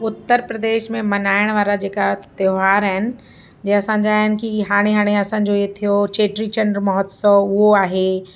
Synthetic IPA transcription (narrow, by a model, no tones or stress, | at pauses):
ʊt̪ːəɾpɾəd̪eːʃmẽmɐnaːɪɽ̃ʋaːɾad͡ʑeːkat̪joɦaːɾɛɦɪnɪ̆ | d͡ʑẽɐsãːɲd͡ʑaːɦɪnɪ̆kiɦaːɽ̃eɦaːɽ̃eɐsãːɲ̆d͡ʑoiet̪ʰijot͡ɕeːʈɾit͡ɕɐ̃ɳɖɾmɐɦɔt̪sɔʊɦoaːɦe